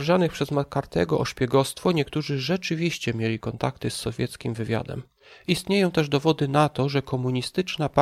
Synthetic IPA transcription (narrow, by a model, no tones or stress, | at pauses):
ʐanɘxpʂɛzmakaɾt̪ɛ̰ɡɔʔɔʂpʲjɛɡɔst̪fɔɲɛkt̪uʐɘʐɛt͡ʂɘvʲiɕt͡ɕɛmʲjelʲikɔnt̪akt̪ɘsːɔvʲjɛt̪skʲimvɘvʲja̰d̪ɛ̰m | ist̪ɲejɔ̃w̃t̪ɛʐd̪ɔvɔd̪ɘnat̪ɔʐɛkʰɔmuɲist̪ɘt͡ʂnap